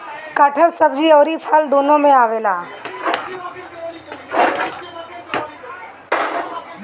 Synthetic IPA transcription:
kaʈʰəɾsəbd͡ʒiɔːɾipʰəld̪oːnõmẽaːʋeːlaː

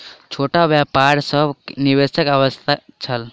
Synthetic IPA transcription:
t͡ʃʰoːʈabjapaɾsəbʱniʋesəkaʋəst̪ʰat͡ʃʰəl

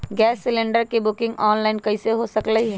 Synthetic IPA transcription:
ɡɛːsːɪlẽɳɖəɾkebʊkɪ̃ŋɡɔːnlaːɪnkɐiseɦosɐkləɦiɦɛː

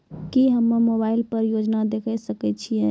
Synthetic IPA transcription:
kiɦəmːəmobaɪlpəɾjod͡ʒnad̪ekʰɛsəkɛt͡ʃʰijɛ

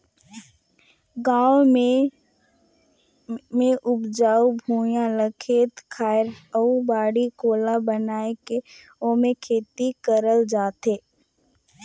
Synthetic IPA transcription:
ɡãːwme | mẽʔʊbd͡ʒaːubʱuːjãləkʰet̪kʰaːɪɾəubaːɽikoːlabənaːeke | õːmẽkʰeːt̪ikəɾəld͡ʒaːt̪eː

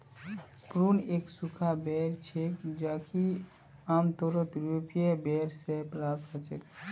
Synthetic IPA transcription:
pɾuneksukʰabɛɾt͡ʃʰekd͡ʒaki | amt̪oɾət̪ɾopijebeɾsepɾapt̪kət͡ʃek

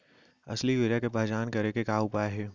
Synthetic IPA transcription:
ɐ̰sliʋɪɾakepaːd͡ʒaːnkɐɾekekaːʊpaːɦɛː

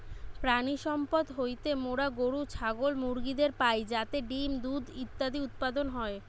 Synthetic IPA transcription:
pɾaniʃɔmpod̪ɦojt̪emoɽaɡoɽut͡ɕʰaɡolmuɾɡid̪eɾpajd͡ʑat̪eɖimd̪ud̪it̪ːad̪iut̪̚pad̪onɦɔe

